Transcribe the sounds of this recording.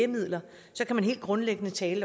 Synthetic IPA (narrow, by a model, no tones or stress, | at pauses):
emið̰ˠlɐ | sɒ̽kæmænɦe̝̰ːld̥ɡ̥ʁɔ̽nleɡ̥ənət͡sʰɛːlə